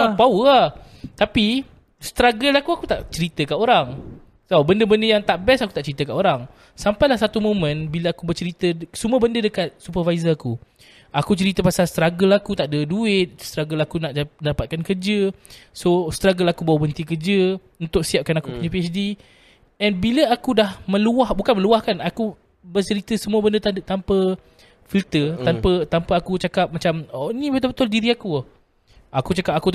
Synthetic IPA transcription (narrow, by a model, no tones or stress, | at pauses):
paəa | t̪api | st̪ɾaɡəlakuakut̪aʔt͡ʃəɾit̪əkaʔoɾaŋ | sawbəndəbəndəjaŋt̪aʔbɛsakut̪aʔt͡ʃəɾit̪əkaʔoɾaŋ | sampajlahsat̪umõmə̃nbiləakubərt͡ʃəɾit̪əsumuəbəndədəkat̪̚supərvaizəaku | akut͡ʃəɾit̪əpasalst̪ɾaɡəlakut̪aʔdəduɪt̪̚st̪ɾaɡəlakunaʔdapat̪̚kankərd͡ʒəsost̪ɾaɡəlakubawabənt̪ikərd͡ʒə | unt̪ʊk̚siap̚kanakupuɲãpiɛsdi | ɛnbiləakudahmə̃luahbukanməluahkanaku | bərt͡ʃəɾit̪əsəmuəbəndət̪at̪ampə | filt̪ət̪ampət̪ampaːkut͡ʃakap̚mat͡ʃamɔnĩbət̪̬ʊlbət̪ʊldiɾiakuh | ʔakut͡ʃakap̚aku